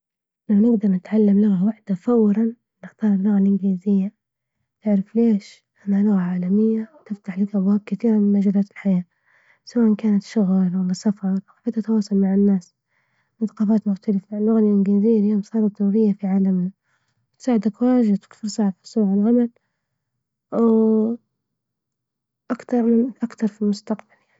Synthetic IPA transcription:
lawnɪɡd̪ɑɾˤnɪt̪ʕalːamlʊɣawaħd̪afawːɾɑn | nɪxt̪ɑːɾˤɪlːʊɣalʔɪnɡɪliːzɪjːa | ʔɪʕɾɪfleːʃ | ʔanːhalʊɣaʕaːlamɪjːat̪ɪft̪aħlɪkʔabwaːb̚kɪt̪iːɾamɪnmad͡ʒaːlaːt̪ɪ̥lħajaː | sawaːʔankaːnat̪ʃʊɣlwalːasafɑɾˤwħad̪at̪awɑːsˤʊlmaʕɪnːaːs | nθɑ̥qɑːfaːt̪mʊxt̪alɪfalːʊɣalʔɪnɡaziːɾjomsˤɑːɾˤɑt̪nuːɾɪjːafiʕaːlamna | ɪt̪saːʕɪd̪akwaːʒad̪ɪt̪fʊɾsˤɑʕafi̥sˤuːʕɪlʕamal | w | ʔakt̪ɑɾˤmɪnʔakt̪ɑɾˤfilmʊst̪aqb̥aljani

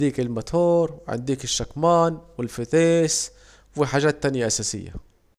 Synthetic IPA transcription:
d̪iːkɪlmʊt̪ʰoːɾˤʕɪ̰nd̪iːkɪʃːakmaːnwɪlfɪt̪eːs | wɪħaːʒaːt̪ːanjaʔasaːsɪ̰jːa̰

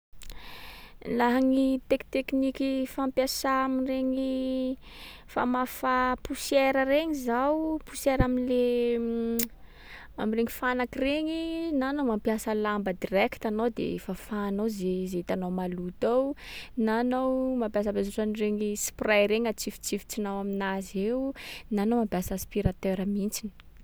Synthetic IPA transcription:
laɦaŋit̪ekt̪eknikifampjasaamireŋi | fa̰mafapusieɾəreŋizawpusɛɾaminle | amireŋifanakireŋinanowmampjasəlambəd̪irɛki̥t̪anowd̪ḛefafaːnowzezeit̪anowmalut̪awnanowmampjas̬abezoʈ͡ʂanireŋisprajɾeɲat͡sifi̥t͡sifi̥t͡sinawaminazewnanowmampjasaspiɾat̪øɾamint͡sini̥

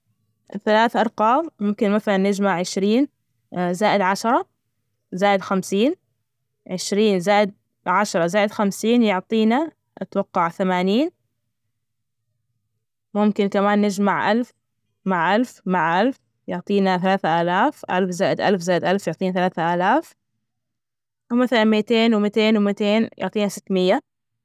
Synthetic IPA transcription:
θalaːθʔɑɾˤqɑːmmʊmkɪnmaθalanːɪd͡ʒmaʕʕɪʃɾiːn | zaːʔɪd̪ʕaʃɑɾˤɑ | zaːʔɪd̪xamsiːn | ʕɪʃɾiːnzaːʔɪd̪̚ | ʕaʃɑɾˤɑzaːʔɪd̪xamsiːnjʊʕt̪ˤiːna | ɪt̪wɑqːɑʕθamaːniːn | mʊmkɪnkamaːnːɪd͡ʒmaʕʔalf | maʕʔalfmaʕʔalf | jʊʕt̪ˤiːnaθalaːθaʔaːlaːfʔa̰lfzaːʔɪd̪ʔa̰lfzaːʔɪd̪ʔalfjʊʕt̪ˤiːnaθalaːθaʔaːlaːf | wmaθalanmiːt̪eːnwmɪt̪eːnwɪmɪt̪eːnjʊ̰ʕt̪ˤiːnasɪt̪ːmɪjːa

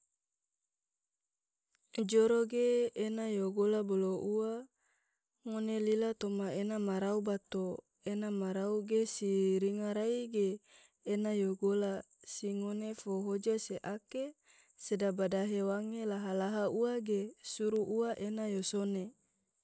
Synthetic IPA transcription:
d͡ʒoɾoɡeːnajoɡolaboloʔua | ŋonelilat̪omaenamaɾaubat̪o | enamaɾauɡesiɾiŋaɾaiɡeː | najoɡola | siŋonefoɦod͡ʒaseʔake | sedabadaɦewaŋelaɦalaɦauaɡesuɾuʔuaʔenajosone

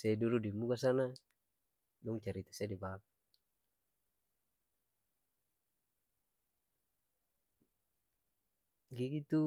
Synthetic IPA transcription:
sɛduludimuɡas̬ana | dɔŋt͡ʃaɾit̪ḁsadibak̚ | ɡiɡit̪u

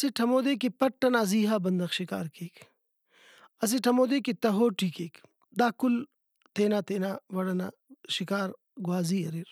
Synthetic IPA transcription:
ɐseʈʰɐmoːd̪eːkipɐʈːɐnaːziːɦaːbɐnd̪ɐxʃɪka̰ːɾkeːk | ɐs̬eʈʰɐmoːd̪eːkit̪ɐɦoːʈʰiːkeːk | d̪aːkul | t̪eːnaːt̪eːnaːʋɐɽɐna̰ː | ʃɪkaːɾ | ɡwaːziːɐɾiɾ

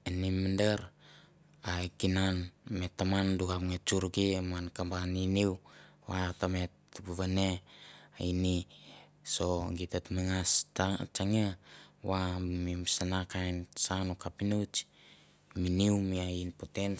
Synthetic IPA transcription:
enimindeɾ | aekinanmetːamanduɡapŋet͡ʃuɾɡiamankambaniniw | watamet̚buβaneaini | soɡitatmiŋast͡ʃaŋewamimimsanakajnsanukapinut͡ʃ | miniwmiainpoten

